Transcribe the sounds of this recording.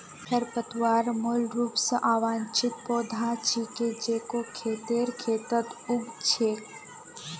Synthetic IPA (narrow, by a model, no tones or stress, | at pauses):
hʰɐɾpət̪waːɾmolɾuːpsəʔaːʋãːnt͡ʃɪt̪̚poːd̪ʱaːt͡ʃʰiked͡ʒeːkokʰeːt̪eːɾkʰeːt̪ət̪ʊɡt͡ʃʰeː